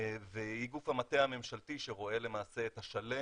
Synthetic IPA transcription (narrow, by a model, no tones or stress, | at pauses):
vehiɡufhamat̪eame̞mʃaltiʃeʁo̞e̞le̞maːse̞ːt̪aʃale